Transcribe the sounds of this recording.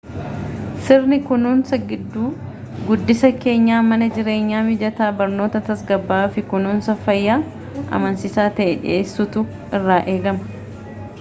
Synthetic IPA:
sɪrnɪkʊnuːnsɐɡɪd̪ːuː | ɡʊd̪ːɪsɐke̞ːɲːaːmɐnɐd͡ʒɪɾe̞ːɲːaːmɪd͡ʒɐt̪aːbɐɾno̞ːt̪ɐt̪ɐsɡɐbːaːfɪkʊnuːnsɐfɐjːaː | ʔɐ̰mɐnsɪsaːt̪ɐʔɛᶑɪ̰eːsːʊt̪ʊ | ɪrːaːʔe̞ːɡɐmɐ̥

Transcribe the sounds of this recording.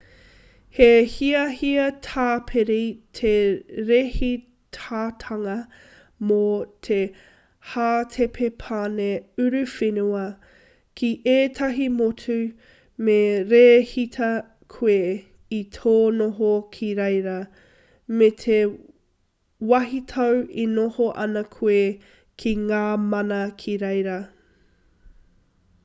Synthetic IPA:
hehiɐhiɐtʰaːpʰeɾitʰeɾehi | tʰaːtʰɐŋɐ | motʰe | haːtʰepʰepʰaneʉɾʉfenuɐ | kʰiʔeːtʰɐɦimotʰʉ | meɾeːhitʰɐ | kʰue | itʰoːnoɦokʰiɾejɾɐ | metʰe | wɐɦitʰɐwinohoʔɐnɐkʰue | kʰiŋaːmɐnɐkʰiɾejɾɐ

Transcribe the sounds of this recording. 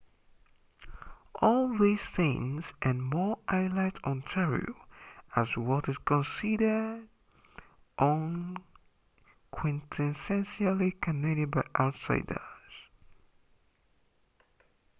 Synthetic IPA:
ʔɔlˠðiz̥θɪ̃ŋzʔə̃nmɔɹʔaɪlaɪtn̩tʰɛɹḭəzwɔɾɨz̥kʰɔ̃nsiɾə˞d | ʔɔ̃n | kʰwɛ̃ntʰɛ̃nsɛ̃nʃəlikʰənɛɾɨd̚baɪʔaʊtsa̰ɪdə̰˞z̥

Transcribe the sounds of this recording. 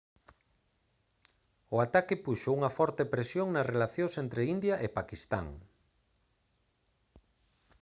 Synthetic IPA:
ʊat̪akɪpuʃouŋɐfɔɾt̪epɾesjoŋnɐsrelaθjõsent̪ɾeind̪jɐʔepakist̪a̰ŋ

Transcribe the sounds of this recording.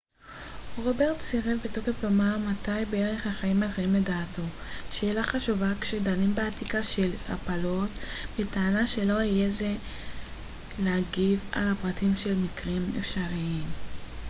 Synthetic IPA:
ʁo̞beʁtsiʁevbeto̞ke̞flomaʁmatajbeeʁe̞χhaχaimaχeimledaːto̞ʃe̞ːlaχaʃuvakʃedanimbeatikaʃe̞la̰palo̞tbetaːnaʃe̞lo̞ijeze | leaɡiva̰lhapʁatʰimʃelmikʁimḛfʃaʁiim

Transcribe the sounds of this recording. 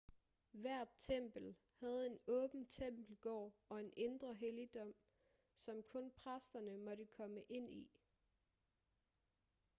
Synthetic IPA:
ʋæɐ̰d̥̚t͡sʰem̰b̥l̩ | hæð̞̩ˠe̝nɔ̽ːb̥n̩t͡sʰem̰b̥l̩ɡ̥ɒ̰ːɒ̽e̝nʔe̝nd̥ʁɐɦelid̥ɒ̽m̰ | sɒ̽mkʰɔ̽npʰʁasd̥ɐnəmɒ̽ɾəkʰɒ̽məʔe̝n̰i

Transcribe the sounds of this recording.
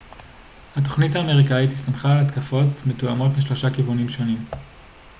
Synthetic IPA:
hat̬o̞χnitaːme̞ʁikaitistamχaːlat̪kafo̞tmetuamo̞tmiʃlo̞ʃakivunimʃo̞nim

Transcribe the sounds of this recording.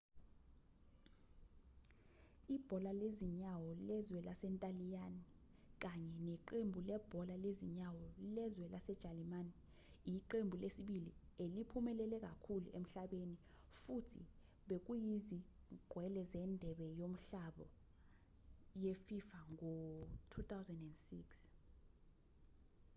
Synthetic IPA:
ib̥ʱɔlaleziɲawɔlɛzwɛlasɛntʼalijani | k̬ʼaɲɛnɛǃembʱulɛb̥ʱɔlaleziɲawɔlɛzwɛlʔasɛd̥ʒ̥ʱalimani | jiǃembʱulesiɓilielipʰumɛlɛlɛk̬ʼakʰulṵʔem̩ɬaɓeni | futʰḭ | ɓek̬ujizi | ɡ͡ǃ̥ʱwɛlɛzɛndʱɛɓɛjom̩ɬaɓɔ | jefifaŋɔtʰut̪ʰawzɛndɛndsḭks

